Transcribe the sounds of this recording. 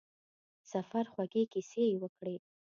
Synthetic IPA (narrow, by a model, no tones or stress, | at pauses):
safaɾxwaɡekisejwəkɽe